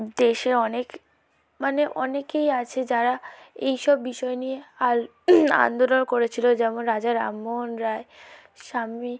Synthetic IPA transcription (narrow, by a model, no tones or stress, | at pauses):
d̪eʃeɔnek | maneʔɔnekejat͡ɕʰed͡ʑaɾaejʃɔbːiʃɔenieal | a̰nd̪olonkoɾet͡ɕʰilod͡ʑɛmonɾad͡ʑaɾa̰mːonɾae | ʃami